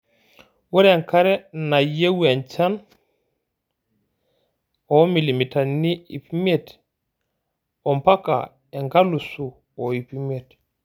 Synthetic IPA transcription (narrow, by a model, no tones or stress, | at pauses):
wɔɾɛŋkaɾɛnajewɛnt͡ʃan | ɔmilimitanːiḭpimet | ɔmpaka̰ | ɛŋɡalːusu | ɔipimet